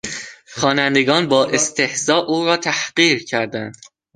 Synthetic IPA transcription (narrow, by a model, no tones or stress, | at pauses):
xɒːnænd̪eɡɒːnbɒːʔest̪ʰe̞hzɒːʔuːɾɒːt̪ʰæhɢiːɾcʰæɾd̪ænd̪̥